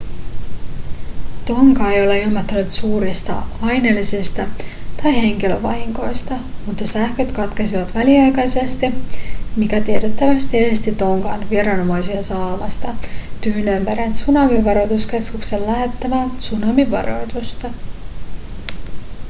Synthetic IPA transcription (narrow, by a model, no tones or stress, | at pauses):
t̪o̞ŋkɑe̞jo̞leilmɑt̪ːɑnut̪suːɾist̪ɑ̰ɑjnelːisest̪ɑt̪ɑjhe̞ŋkiløʋɑ̰ɦiŋko̞jst̪ɑ | mut̪ːɑsæhkøt̪kɑt̪kesiʋɑt̪ʋæliɑjkɑjsest̪imik̟æt̪iet̪et̪ːæʋæst̪iest̪it̪o̞ŋkɑ̰nʋieɾɑno̞mɑjsiɑsɑːmɑst̪ɑt̪yhnømpæɾæt̪sunɑmiʋɑɾo̞t̪uskeskuksenlæɦet̪ːæmæsunɑmiʋɑ̰ɾo̞̰jt̪ust̪ɑ